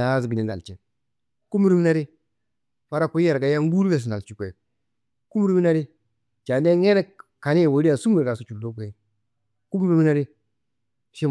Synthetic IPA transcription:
a˨˦s̬ɡi˨ni˨na̰˨lt͡ʃe˨ | ku˦mi˦ɾu˦mi˦na˦ɾi˦ | fa˦ɾa˦ku˦ja˨ɾɡa˨ja˦ŋ˦ɡu˦ɾbe˨s̬na˨t͡ʃi˦kʷe˨ | ku˦m˦ɾu˦mi˦na˦ɾi˦ | t͡ʃa˨ne˦ŋe˦ɾe˦ka˨ni˦˨wo˨˦ɾi˦a˨su˦mi˨ɾɡa˨su˨t͡ʃu˨ldu˦ke˨i˦ | ku˦m˦ɾu˦mi˦na˦ɾi˦ | ʃi˦

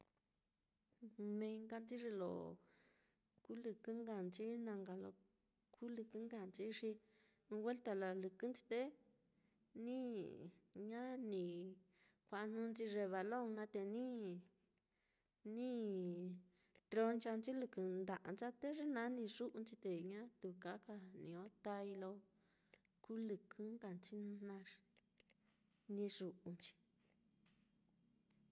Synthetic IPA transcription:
nẽ˧ŋɡa˧nd͡zi˦ʐe˧lo̰˨ | ku˦lɨ˧kɨ˦ŋɡa˨nt͡ʃi˦nã˧ŋɡa˨lo̰˧ | kʰu˦lɨ˧kɨ˦ŋɡa˧˨nt͡ʃi˧˦ʂi˧ | ũ˧we˦lt̪a˧la˨lɨ˨kɨ˦nt͡si̥˧t̪e˦ | nĩ˦ | ɲã˦nĩ˨ | kʷa˧ʔn̥ũ˧nt͡ʃi˧ʐe˧βa˨lo˦˨ŋnã˧t̪e˧nĩ˦ | nĩ˦ | t̪ɾo˧nt͡ʃa˧nt͡ʃi˦lɨ˧kɨ˨nd̪a˨ʔa˧nt͡ʃa˦t̪e˦ʐi˦nã˦nĩ˧ʐu˦ʔu˧nt͡ʃi˧t̪e˨ɲã˦t̪u˧˨ka˨˦ka˧nĩ˨õ˦t̪a˧i˧lo˧ | ku˦lɨ˧kʰɨ̃˦ŋka˨nt͡ʃi˦n˧nã˧ʐ | nĩ˧ʐu˧ʔu˧nt͡ʃi̥˧

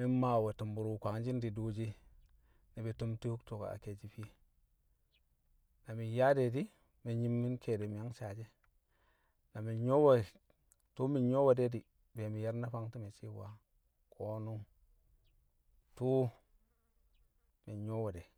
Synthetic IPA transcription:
mi˦ma˨we˨tu˨mbu˨ɾu˦kʷa˨ŋd͡ʒi˦ndi˨du˦d͡ʒi˦ | ni˨be˨tu˦mti˦hu˦kto˨ka̰˨a̰˨ke˨d͡ʒi˦fi˦ | na˨mi˨ja˦de˨di˦ | me˨ɲi˦mːi˦nkʰe˨de˨mi˨ja˦ŋt͡ʃa˨d͡ʒe˦ | na˨mi˨ɲo˦we˦˨ | tu˦mi˨ɲo˦we˨de˦di˨ | be˨mi˨ja˦ɾna˦fa˦ŋti˦me˨si˦wa̰˦ | kʰo˦nu˦ | tu˦ | mi˨ɲo˦we˨de˨

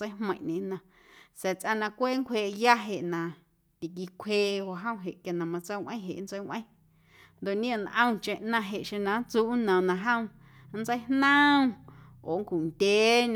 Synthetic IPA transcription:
ə˦jɦmə̃˧˨ʔɲḛ̃˨nã˨ | sɛ˨t͡sʔa˧nã˧kʷeː˦ŋkʷʰeː˧˨ja˦ɦe˨ʔnã˨ | t̪i˨k̬i˧˨kʷʰeː˧o˨ɦə̃˦w̃ɦe˨ʔkja˨nã˨mã˧t͡sə˦˨ʔʷə̃˦ɦḛ˨˦n˦t͡sə˦jwʷʔə̰̃˦˨ | nd̪o˨ʔɲĩ˦ã˧˨nʔə̃˦w̃t͡ʃẽ˧˨ʔnã˧ɦe˨ʔʃẽ˧nã˨˦n˦t͡suː˦nə̃˨nã˧˨ɦə̃˦w̃ | n̩˦t͡sə˦jhnə̃˦˧ | o˨ŋ˦kʷu˨nd̪ʲeː˨˦

